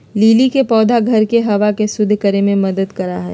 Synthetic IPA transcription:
liːlikepɔːd̪ʱaɡʱɐɾkeɦɐʋakesʊd̪ʱːkɐɾemẽmɐd̪əd̪kɐɾaɦɛ̰ː

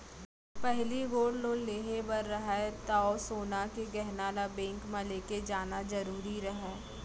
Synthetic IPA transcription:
pɛɦliɡoːɽloːlleːɦebɐɾːəɦaet̪aːosoːnakeɡɛɦnaːlabẽːŋkmãleːked͡ʒaːnazɐɾuːɾiɾɐɦẽː

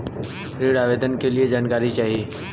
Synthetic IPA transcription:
ɾiɽaːʋeːd̪ənkelied͡ʑaːnkaːɾit͡ɕaːɦieː

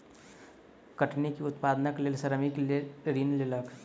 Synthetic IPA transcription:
kəʈnikiʊt̪paːd̪naklelsəɾəmikleɾiːnlelək

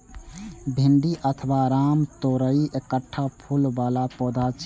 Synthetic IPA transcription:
bʱiɳɖiʔət̪ʰbaɾamt̪oɾəiʔekəʈʰːapʰulbalapɔd̪ʱat͡ʃ

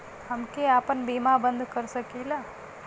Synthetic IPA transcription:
ɦəmkeaːpənbiːmabə̃nd̪ʱkəɾsəkiːla

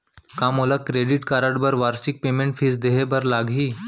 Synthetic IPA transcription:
kamolakɾeɖiʈkaɾaɽbəɾʋaɾsik̚pemeɳʈfʰiːsd̪eɦebəɾlaɡʱiː

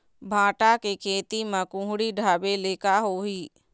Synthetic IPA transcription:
bʱãːʈakekʰeːt̪imãkʊ̃ɦɽiɖʱaːbeleːkaɦoːɦiː

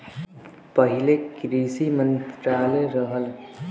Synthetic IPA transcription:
pəɦɪlekɾiːsimə̃nt̪ɾaːleɾəɦəl

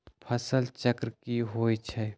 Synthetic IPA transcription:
pʰɐsəlt͡ʃəkɾkiɦoːit͡ʃʰɛ

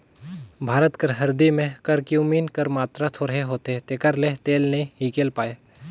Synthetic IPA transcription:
bʱaːɾət̪kəɾɦɐɾd̪imẽkəɾkiumiːnkəɾmaːt̪ɾat̪ʰoːɾɦeɦoːt̪eɦet̪ekəɾlet̪eːlnɐĩiːkeːlpaːeː

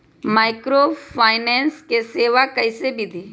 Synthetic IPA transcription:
maːɪkɾopʰaːɪneːnskeseːʋakɐɪsebʱid̪ʱiː

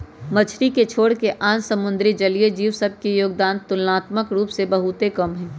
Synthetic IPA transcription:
mɐt͡ʃʰɾiket͡ʃʰoːɽkeʔaːnsɐmʊ̃nd̪ɾid͡ʒɐlied͡ʒiːʋsəb̚ʱkijoːɡ̚d̪aːnt̪ʊlnaːt̪məkɾuːpsebɐɦut̪ekɐmɦɛ̃ː

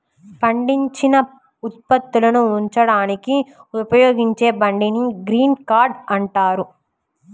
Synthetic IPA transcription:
pʰɐɳɖiɲt͡ʃinɐ | ut̪̚pɐt̪ːulɐnuuɲt͡ʃɐɽaːnikiupɐjoːɡiɲt͡ʃe̞ːbɐɳɖiniɡɾiːnkaːɾɖɐɳʈaːɾu

